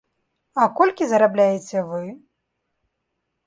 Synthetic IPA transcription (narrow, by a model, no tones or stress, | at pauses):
ɐkɔlʲkʲizɐɾablʲajet͡sʲɛvɨ